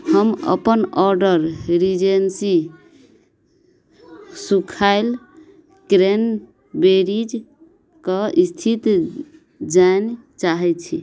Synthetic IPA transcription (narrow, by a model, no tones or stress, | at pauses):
həmə̰pənɔɾɖəɾɾid͡ʒensi | sukʰael | kɾen | beɾid͡ʒ | kəist̪ʰit̪ | d͡ʒant͡ʃaɦɛt͡ʃʰi